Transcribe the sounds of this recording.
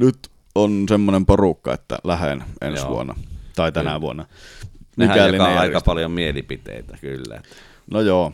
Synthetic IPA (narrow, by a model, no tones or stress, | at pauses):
nyt̪ | onsemːonemporukːɑ̰ḛt̪ːæ̰læhḛnʔḛnsʋṵonːˑɑ̰t̪ɑˑet̪ænæʋuonːˑɑmiæælːinɑˑiɑpɑljomielipit̪ḛˑit̪ækylːæ̰et̪ːˑæ | nojoː